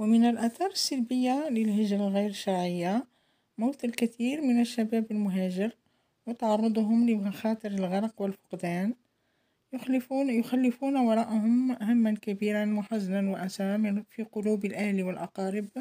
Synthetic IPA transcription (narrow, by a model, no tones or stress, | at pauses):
wmənəlʔæt̪ɑɾˤəsːəlbəjːaləlhəʒɾalɣijɾʃɑɾˤʕəjːa | mawt̪əlkæt̪iːɾmənəʃːæbæːbəlmʊɦæːʒɪɾ | wət̪ɑʕɑrˤːɑd̪ˤɦʊmləmaxɑːt̪ˤəɾəlɣɑɾˤɑqwəlfʊ̥qd̪æːn | jʊxælːɪfunwɑɾˤɑːʔahʊmʔaɦamːænkæbiɾanmʊħazːnanwaʔæsɑɾˤmfiqʊluːbəlʔæhliwəlʔɑqɑɾɪb